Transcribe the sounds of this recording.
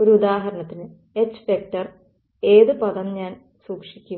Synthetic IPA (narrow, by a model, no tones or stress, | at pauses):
o̞ɾuud̪aːɦɐɾɐɳɐt̪ːinɨ | et͡ɕːɨ̥fek̚ʈɐr | e̞ːðɨpɐðɐnɲaːn | suːkʂikʲːu